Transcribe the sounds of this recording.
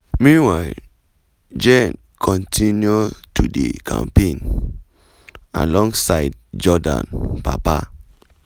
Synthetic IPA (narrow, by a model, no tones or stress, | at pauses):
mĩnwa | d͡ʒɛn | kʰɔ̃ntʰinjotudḛkʰã̰mpẽn | a̰lɔ̃ŋɡsaɪd̚d͡ʒɔdã̰npa̰pa